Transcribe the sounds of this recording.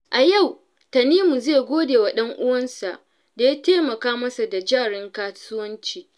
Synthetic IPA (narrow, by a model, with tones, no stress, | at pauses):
ʔa˨ja˦˨w | ta˨niː˦mu˨zeː˦˨ɡʷoː˦deː˨wa˨ɗɐ˦ŋʔʊ˦wɐ˦nsa˨ʔ | da˨ja˦teː˦mɐ˨kaː˦mɐ˦sa˨da˨d͡ʒaː˦˨ɽɪ˦ŋkaː˦sʊ˦wɐ˦nt͡ʃiː˦˨